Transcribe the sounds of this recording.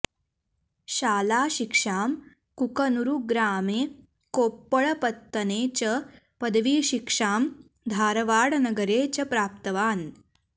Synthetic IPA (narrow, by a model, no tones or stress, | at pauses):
ɕaːlaːɕikʂaːm | kukənuɾuɡɾaːmeː | koːpːəɭpət̪ːəneːt͡ɕə | pəd̪ʋiːɕikʂaːm | d̪ʱaːɾʋaːɽnɐɡəɾeːt͡ɕɐpɾaːp̚t̪əʋaːn